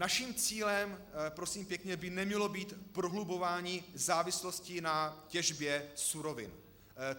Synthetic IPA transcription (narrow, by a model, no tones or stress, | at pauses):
naʃiːmt͡siːlɛmpɾosiːmpjɛkɲɛbɪnɛmɲɛlo̞biːt̪pɾoɦlubo̞vaːɲizaːvɪslo̞scɪnacɛʒbjɛsuɾo̞vɪ̰n